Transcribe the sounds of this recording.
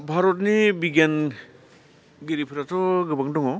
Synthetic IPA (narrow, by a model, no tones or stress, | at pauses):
bʱaɾɔtnibiɡan | ɡiɾipʰiɾatʰɔɡɯbaŋdɔŋɔ